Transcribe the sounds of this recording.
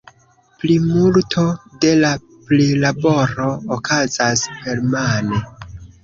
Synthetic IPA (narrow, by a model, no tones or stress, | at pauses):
plimultʰo̞de̞la | plilabo̞ɾo̞ːkʰazasheɾmane